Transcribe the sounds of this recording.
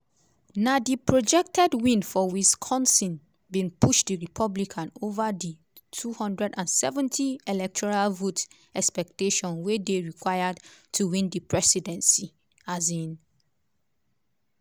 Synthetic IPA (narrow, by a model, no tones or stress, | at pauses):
nadipʰɹod͡ʒɛk̚tʰɛdwĩnfɔwiskʰɔ̃nsĩn | bĩnpʰuʃdiɹipʰɔblikʰãnovadi | tʰuhɔ̃ndɹɛdãnsɛvɛ̃ntʰielɛk̚tʰɔɹalvot | ɛkspɛk̚teʃɔ̃nwedeɹikʰwajadtʰuwĩndipʰɹɛsidɛ̃nsi | azĩn